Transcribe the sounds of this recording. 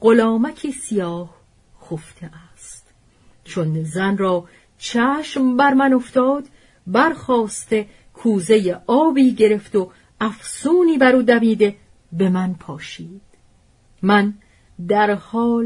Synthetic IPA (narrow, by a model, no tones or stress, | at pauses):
ɢolɒːmækʰiːsijɒːh | xoft̪ʰeʔæ | st̪ | t͡ʃʰonzænrɒː | t͡ʃʰæːʃmbæɾmæno̞ft̪ɒːd̪ | bæɾxɒːst̪e̞ | kʰuːzejeɒːbiːɟe̞ɾe̞ft̪o | æfsuːniːbæɾuːd̪æmiːd̪e̞ | be̞mænpʰɒːʃiːd̪̥ | mæn | d̪æɾhɒːl